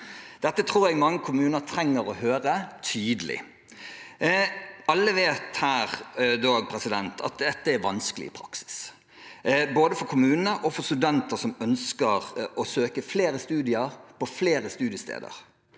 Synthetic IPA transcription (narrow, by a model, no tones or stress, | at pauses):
d̪̥ɛt̪ːət̪ʰɾuːɾɛɡmɑŋːəkʰʊmʉːnəɾt̪ʰɾɛŋːəɾɔhøːɾət̪ʰyːd̪əlɪ̰ | ɑlːəʋeːt̪hæːʁd̪oːpʰɾɛsɪd̪ɛnt̪ʰɑ̰t̪̚d̪ɛt̪ːəæʋɑnskəlɪ̰ɪpʰɾɑ̰ksɪ̥s | boːd̪əfɔɾkʰʊmʉːnən̩əʔɔfɔɾst̪ʉd̪ɛnt̪əsɔmœnskəɾɔsøːkəfleːɾəst̪ʉːd̪ɪəɾpɔfleːɾəst̪ʉːd̪ɪəst̪ʰḛːd̪ə̰ɾ